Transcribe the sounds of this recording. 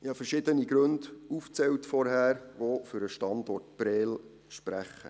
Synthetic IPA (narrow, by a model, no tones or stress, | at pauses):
ɪhɑfəɾʃɪdəniɡɾɵnduft͡sɛwtfɔɾɦæːɾʋofʏɾəʃtɑndɔrtb̥ɾɛːl | ʃpɾæχːə̰